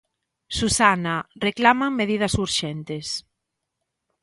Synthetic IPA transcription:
susanareklamaŋmeðiðɐsuɾʃɛnt̪ɪs

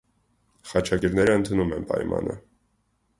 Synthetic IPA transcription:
χɑt͡ʃʰɑkɛɾnɛɾəənt̪ʰunumɛnpɑ̰jmɑ̰nə̰

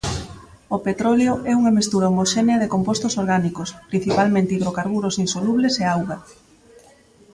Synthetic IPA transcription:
opet̪ɾɔljoʔɛuŋamist̪uɾaomoʃɛneɐðekompost̪osoɾɣanikospɾin̟θipalmẽnt̪iðɾokaɾɣuɾosinsoluβleseawɣa

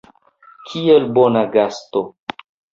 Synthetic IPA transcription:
kʰielbonaɡasto

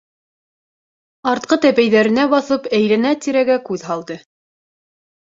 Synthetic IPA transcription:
ɑɾt̪̚qɤt̪æpæjðæɾɘ̆næbɑθɤpæjlænæt̪iɾæɡækʉðɦɑlˠd̪ɤ

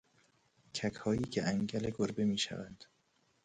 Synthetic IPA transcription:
cʰækʰhɒːjiːcʰeʔæŋɟæleɡoɾbemiːʃæ̰vænd̪̥

